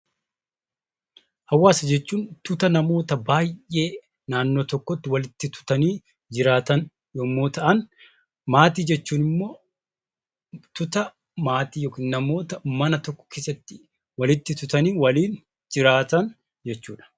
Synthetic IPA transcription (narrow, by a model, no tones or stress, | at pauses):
hɐwːaːsɐd͡ʒɛt͡ʃːuːnt̪ʊt̪ɐnɐmo̞ːt̪ɐbaːjʔe̞ː | naːnːoːt̪ɔkːɔt̪ːɪwɐlɪt̪ːɪt̪ʊ̥t̪ɐniː | d͡ʒɪɾaːt̪ɐn | joːmːo̞ːt̪ɐʔɐn | maːt̪iːd͡ʒɛt͡ʃːuːnɪmːo̞ː | t̪ʊt̪ɐ | maːt̪iːjoːkiːnnɐmo̞ːt̪ɐmɐnɐt̪ɔkːɔ̥kʰeːsɐt̪ːɪ | wɐlɪt̪ːɪt̪ʊt̪ɐniːwɐliːn | d͡ʒɪɾaːt̪ɐn | d͡ʒɛt͡ʃːuːᶑɐ̥